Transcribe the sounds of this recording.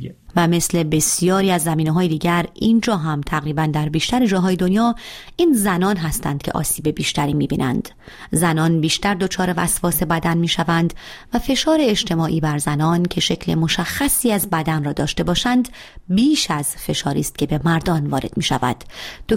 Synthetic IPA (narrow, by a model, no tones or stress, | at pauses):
væme̞sle̞be̞sijɒːɾiːæzːæmiːneɦɒːjed̪iːɟæɾind͡ʒɒːɦæmt̪ʰæɣɾiːbænd̪æɾbiːʃt̪æɾed͡ʒɒːɦɒːje̞d̪o̞njɒːiːnzænɒːnɦæst̪æ̰nd̪̥kcʰe̞̰ʔɒ̰ːsiːbe̞biːʃt̪æɾiːmiːbḭːnʔæ̰nd̪̥ | zænɒːnbiːʃt̪æɾd̪o̞t͡ʃʰɒːɾe̞væ̰svɒːse̞bæd̪ænmiːʃævænd̪væfe̞ʃɒːɾeːd͡ʒt̪ʰe̞mɒːʔiːbæɾzænɒːncʰe̞ʃe̞cʰle̞̰mo̞ʃæxːæsiːæzbæd̪ænrɒːd̪ɒːʃt̪e̞bɒːʃænd̪ | biːʃæz̥fe̞ʃɒːɾiːst̪̚kcʰe̞be̞mæɾd̪ɒːnvɒːɾe̞d̪̥miːʃæ̰væ̰d̪̥ːo